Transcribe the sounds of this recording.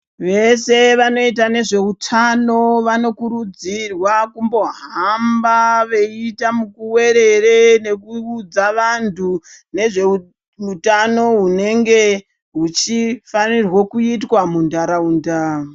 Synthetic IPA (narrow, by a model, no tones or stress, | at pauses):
ʋe̞se̞ʋano̞it̬ane̞ʐe̞utʰano̞ʋano̞kuɾud͡zirwakumbo̞ɦaambaʋe̞itamukuwe̞ɾe̞rene̞kuud͡zaʋantʰune̞ʐe̞u | utano̞ɦune̞ŋɡe̞ | ɦut͡ʃifanirwokuitwamundaɾauːnda